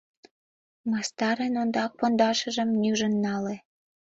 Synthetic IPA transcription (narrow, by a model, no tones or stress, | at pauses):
mɑst̪ɑɾenond̪ɑk̚pond̪ɑʃə̆ʒə̆mnyʒə̆nːɑle